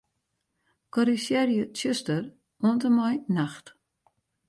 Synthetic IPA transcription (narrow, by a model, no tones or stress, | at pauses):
kɔɾisjɛrjətjøstər | uəntəmɔjnaxt